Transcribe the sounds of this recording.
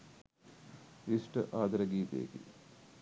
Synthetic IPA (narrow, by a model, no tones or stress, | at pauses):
isʈəʔaːd̪ɐɾəɡiːt̪ḛjḛɡḭ